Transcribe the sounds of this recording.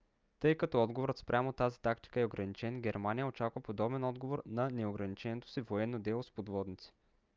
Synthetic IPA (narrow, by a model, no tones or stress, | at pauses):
t̪ɤjkɐt̪ɔɔd̪ɡovoɾət̪spɾʲamot̪azit̪akt̪i̥kəɛoɡɾɐnit͡ʃɛnɡʲɛɾmanijəot͡ʃakvəpod̪ɔbɛnɔd̪ɡovoɾnɐnɛoɡɾɐnit͡ʃɛnɛt̪o̥sivoɛnːod̪ɛlˠospod̪vɔd̪nit̪si̥